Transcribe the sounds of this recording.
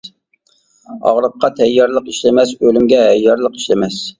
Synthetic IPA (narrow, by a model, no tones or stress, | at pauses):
ɑ̰ʁɾəqːɑt̪ʰɛjːɑɾlˠəqiʃlɪmɛsølymɡʲɛɦɛjːɑɾlˠəqi̥ʃlɪmɛs